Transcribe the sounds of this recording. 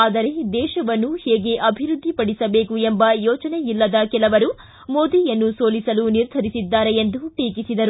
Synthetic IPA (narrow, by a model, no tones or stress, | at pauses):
aːd̪ɐɾe̞d̪ɛːʃɐʋɐnːuhɛːɡe̞ʔɐbʱiɾud̪ʱːipɐɽisɐbeːkuembɐjɔːt͡ʃɐnejilːɐd̪ɐkɛlɐʋɐɾu | moːd̪iːjɐnːusoːlisɐluniɾd̪ʱɐɾisid̪ːaːɾeend̪uʈiːkisid̪ɐɾu